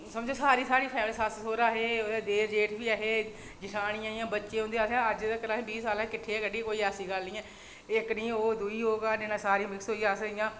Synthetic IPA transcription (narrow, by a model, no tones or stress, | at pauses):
səmd͡ʒoːsaːɾiːsaːɾiːpʰɛːmlesassoːɾaːɦeːoeːd̪eːɾd͡ʒeːʈbiːaːɦeː | d͡ʒɪʈʰaːñĩːaːiːãːbətːʃẽːɦõnd̪iːaːsãːəd͡ʒd̪ːkəɾaːɦẽːbiːsaːlãːkɪʈʰːeːɛːkəɽiːkoːiːaːsiːɡəlnĩːɛ̃ː | ɪknĩːoːd̪ʊiːɦoːɡaːnenãːsaːɾiːmɪksɦoːiːaːsəijãː